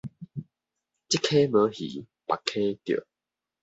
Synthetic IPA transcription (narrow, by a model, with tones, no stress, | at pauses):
t͡ɕi˦˥kʰːe˦mə̃˨˦hḭ˨˦ | pa˨kʰːe˦t̪jo̰˨